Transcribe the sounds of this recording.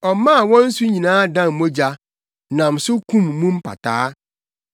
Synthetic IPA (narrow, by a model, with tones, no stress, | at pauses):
ɔ˨˦mã˦˨wɔ̃˦n̩˦sʊ˦ɲĩ˨nãː˦dã˦˨m˨mõ˦d͡ʑa˦ | nã˨m̩˨sʊ˦kʰũ˦˨mːũ˦m̩˦pʰa̰˨tʰaː˦